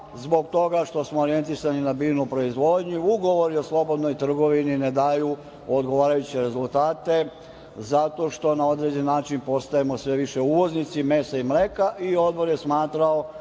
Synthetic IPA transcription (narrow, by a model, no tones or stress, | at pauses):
zbo̞k̚t̪o̞ɡaʃt̪o̞smooɾie̞nt̪isaninabiːnupɾo̞izʋo̞ːd̪ɲiuɡo̞ʋo̞ɾio̞slˠo̞bo̞d̪no̞jt̪r̩ɡo̞ʋinined̪aju | od̪ɡoʋaːɾajut͡ɕeɾe̞zulˠt̪aːt̪e̞ | zat̪o̞ʃt̪o̞nao̞d̪ɾed͡ʑenːaːt͡ʃinpo̞st̪ajemo̞sʋe̞ʋiʃe̞uʋo̞znit̪sime̞saimɾekaʔio̞d̪̚bo̞ɾjesmaːt̪ɾao